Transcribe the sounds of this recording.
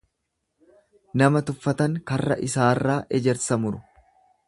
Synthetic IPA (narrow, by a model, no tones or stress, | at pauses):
nɐmɐt̪ʊfːɐt̪ɐŋkɐrːɐ̰ʔɪsaːrːaːʔɛd͡ʒɛɾsɐmʊɾʊ